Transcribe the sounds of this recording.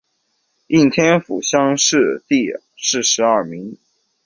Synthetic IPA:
i˥˩ŋt̪ʰjɛ˥nfṵ˨˩ɕjɑ˥ŋʂɻ̩˥˩t̪i˥˧ | ʂɻ̩˥˩ʂɻ̩˧˥ɐ˞˥˩mi˧˥ŋ

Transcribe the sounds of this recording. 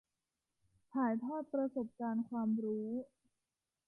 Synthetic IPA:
t̪ʰaː˩˦jt̪ʰɔː˥˩t̪̚pɾa˧so˨˩p̚kaː˧nkʰwaː˧mɾuː˦˥

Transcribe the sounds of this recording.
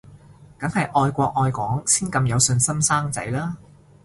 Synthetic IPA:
kɐ˨˥ŋhɐ˨jʔɔː˧jkʷɔː˧k̚ʔɔː˧jkʷɔː˨˥ŋsiː˥nkɐ˧mjɐ˨˧wsɵ˧nsɐ˥msaː˥ŋt͡sɐ̰˨˥jlaː˥

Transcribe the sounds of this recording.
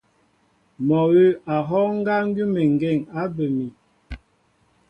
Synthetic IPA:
mɔ˨ɣe˦a˨ɦɔ˦ŋ˦ɡa˦ŋ̩˦ɡi˦me˨ŋ˨ɡe˦˨ŋa˦bə˨mi˨

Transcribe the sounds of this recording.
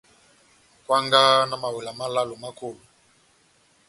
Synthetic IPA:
kwa˦ŋɡa˦na˦ma˨we˨la˨ma˦la˦lo˨ma˦ko˦˨lu˨

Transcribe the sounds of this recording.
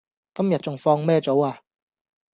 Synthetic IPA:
kɐ˥mjɐ˨t̚t͡sʊ˨ŋfɔː˧ŋmɛː˥t͡so˨˥waː˧

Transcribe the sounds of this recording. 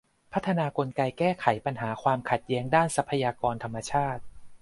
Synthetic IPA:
pʰa˦˥t̪ʰːa˧naː˧ko˧nka˧jkɛː˥˩kʰa˩˦jpa˧nɦaː˩˦kʰwaː˧mkʰa˨˩t̪̚jɛː˦˥ŋdaː˥˩nsa˧˥pʰːa˧jaː˧kɔː˧nt̪ʰa˧mːa˧t͡ɕʰaː˥˩t̪̚

